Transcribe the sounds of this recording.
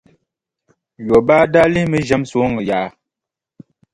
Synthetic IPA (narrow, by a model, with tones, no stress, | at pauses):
jo˨ba˦da˦li˦mə˦ʒɛ˨˦mso˨˦ŋə˨ja˨